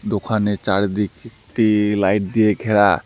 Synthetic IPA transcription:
d̪okʰanet͡ɕaɾed̪ikekʈilajʈ̚d̪ijeɡʱɛɽa

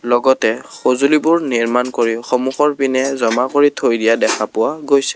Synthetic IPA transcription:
lɔɡɔtɛxozulibʊɹniɹmankoɹixɔmuxɔɹpinɛzɔmakoɹitʰojdijadɛkʰapʊwaɡojsɛ̥

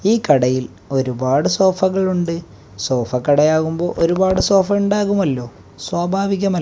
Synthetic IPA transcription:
iːkɐɽɐjil | o̞ɾubaːɽɨso̞ːfɐɣɐɭuɳɖɨ | so̞ːfɐkːɐɽɐjaːɣumbo̞ːʔo̞ɾubaːɽɨso̞ːfɐuɳɖaːɣumɐlːo̞ː | swaːbʱaːʋiɣʲːɐmɐ

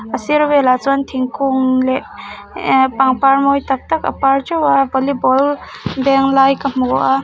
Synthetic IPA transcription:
ɐsiɾɔbelazantʰiŋkuŋle | paŋpaɾmɔjtak̚takɐ̰paɾd͡ʒawabɔlibɔl | beŋlajkammuɡɔʔa

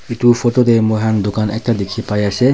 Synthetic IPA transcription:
itufotod̪emoɦand̪okanɛ̰k̚ʈad̪ekʰːipajaʃʰe

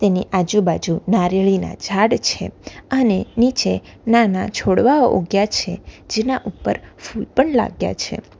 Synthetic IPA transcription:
t̪eniʔad͡ʒubad͡ʒunaɾeɭina̰d͡ʒʱaɽt͡ʃʰḛənenit͡ʃe | nanat͡ʃʰoɽʋao̰ʔoɡjat͡ʃʰed͡ʒenaʔupːəɾfulpəɳla̰ɡja̰t͡ʃʰḛ

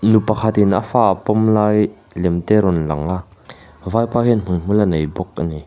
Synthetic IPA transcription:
nupɐkʰat̪ina̰faːʔəpɔmlaːj | lɛmt̪ɛɾɔnlɐŋa | vaːjpaːɦinm̥unm̥ulanejbɔk̚ʔani

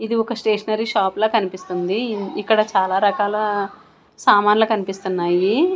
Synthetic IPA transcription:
id̪iɔkɐsʈeːʂɐnɐɾiʃaːploːkɐnipist̪und̪iːkːɐɽɐt͡ʃaːlaːɾɐkaːlɐ | saːmaːnlɐkɐnipist̪unːaːji

